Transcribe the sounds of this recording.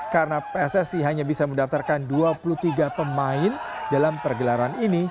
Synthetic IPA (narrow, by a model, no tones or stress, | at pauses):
kaɾənapeɛsɛsiɦaɲabisaməndaft̪arkanduapulut̪iɡapəmaɪn | dalampərɡəlaɾanini